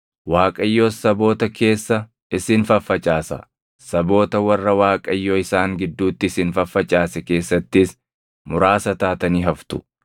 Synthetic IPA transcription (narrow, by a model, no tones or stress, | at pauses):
waːkʼɐjːo̞ːsɐbo̞ːt̪ɐke̞ːsːɐ | ɪsɪnfɐfːɐt͡ʃʼaːsɐ̰ | sɐbo̞ːt̪ɐwɐrːɐwaːkʼɐjːo̞ːɪsaːŋɡɪd̪ːuːt̪ːɪɪsɪnfɐfːɐt͡ʃʼaːsɛke̞ːsːɐt̪ːɪs | mʊɾaːsɐt̪aːt̪ɐniːɦɐft̪ʊ̥